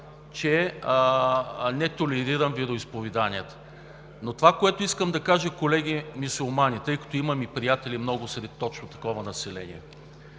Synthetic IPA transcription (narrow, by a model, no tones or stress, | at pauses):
t͡ʃɛ | nɛt̪olɛɾiɾəmviɾoispovɛd̪anijət̪ə̥ | not̪ovakoɛt̪oʊiskəmd̪ɐkaʒəkolɛɡ̟ʲimisulˠmanʲit̪ɤjkɐ̥t̪oimɐmipɾijat̪ɛlimnɔɡʊsɾɛt̪ːɔt͡ʃnot̪ɐ̥kɔvɐnɐsɛlɛ̰nʲḭɛ